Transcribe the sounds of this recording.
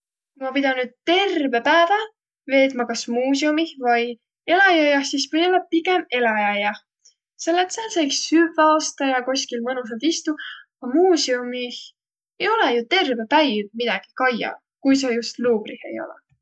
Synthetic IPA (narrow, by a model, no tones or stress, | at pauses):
kumɑpid̪̥ɑnːyːd̪̥̚t̪e̞rvepæːvɑ | ve̞ːt̪ˑmɑkɑsmuːsiomihvɑj | e̞lɑjɑjɑsismiolɑpiɡ̥e̞me̞lɑjɑjɑ | selːet̪sɑsɑjksyvɑst̪ɑjɑkoskilmɤnus̬eld̪̥ist̪u | ɑmuːsiumih | ejo̞lejut̪e̞rbe̞pæjdmid̪̥ɑɡ̥i̥kɑjɑ̰ | kujs̬ɑjust̪luːb̥rihe̞̰jo̞̰lɛ̰